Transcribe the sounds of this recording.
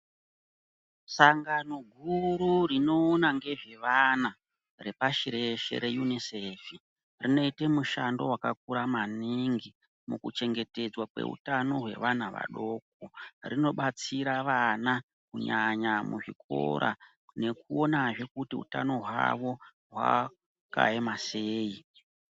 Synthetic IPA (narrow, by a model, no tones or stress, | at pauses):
saŋɡano̞ɡʱuɾurino̞ːnaŋɡe̞ʐe̞ʋana | re̞paʃiɾe̞ʃe̞̰ɾe̞junisefi | rino̞itemuʃando̞̰wakak̚uɾamaniŋɡi | mukut͡ʃe̞ŋɡe̞te̞d͡zwakwḛṵtano̞ɦwe̞̰ʋanaʋa̰ɗo̞ːk̚orino̞ɓat͡siɾaʋana | kuɲaɲamuʐikʰo̰ɾʔa̰ | ne̞kuo̞naʐe̞kutiṵtano̞ɦwa̰ʋo̞ | ɦwa̰ | ka̰emase̞ːi